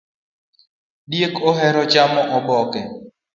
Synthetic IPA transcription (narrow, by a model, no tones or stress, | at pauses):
djekɔɦɛɾɔt͡ʃamɔʔɔbɔkɛ